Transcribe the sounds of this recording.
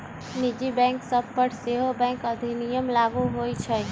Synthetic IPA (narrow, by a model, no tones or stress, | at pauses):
nɪd͡ʒibɛ̃ːŋksɐbpəʈʰseːɦobɛ̃ːŋkɐd̪ʱinɪjəmlaːɡuɦoːit͡ʃʰɛ